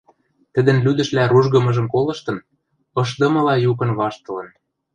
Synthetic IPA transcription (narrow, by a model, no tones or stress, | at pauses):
t̪ə̆d̪ə̆nlyd̪ə̆ʃlæɾuʒɣɤ̆mɤ̆ʒɤ̆mkolɤ̆ʃt̪ɤ̆n | ɤ̆ʃ̬d̪ɤ̆mɤ̆lɑjukɤ̆nβɑʃt̪ɤ̆lɤ̆n